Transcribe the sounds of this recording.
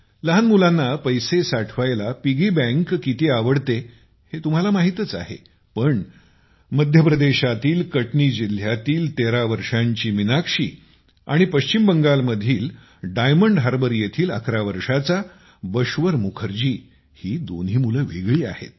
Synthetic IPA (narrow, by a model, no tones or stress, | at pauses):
ləɦanmulanːapəjsesaʈʰʋajlapiɡibæ̃ŋkːit̪eaʋəɽt̪e | het̪um̤alamaɦit̪ət͡sa̰ɦḛ | pəɳ | məd̪ʱjəpɾəd̪eɕat̪iːlkəʈɳiːd͡ʑil̤jat̪iːlt̪eɾaʋəɾʂaɲt͡ɕiːminakʂḭː | a̰ɽ̃ipəɕt͡ɕimbəŋɡalməd̪ʱiːl | ɖajməɳɖɦaɾbəɾjet̪ʰiːlə̰kʰɾaʋəɾʂat͡sa | bəɕʋəɾmukʰəɾd͡ʑiː | hiːd̪o̰nɦiːmuləʋḛɡɭiːa̰hḛt̪̚